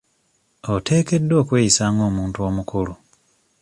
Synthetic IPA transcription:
ote̞ːke̞dːo̞ːkwe̞ːjisaːŋɡo̞ːmuːntuo̞ːmukulu

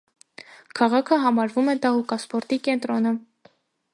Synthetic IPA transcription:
kʰɑʁɑkʰəɦɑmɑɾvumɛd̪ɑɦukɑspɔɾt̪ikɛnt̪ɾɔnə

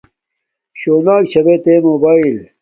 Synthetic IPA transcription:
ɕoːnaːkt͡ɕʰɐbet̪emoːbaːil

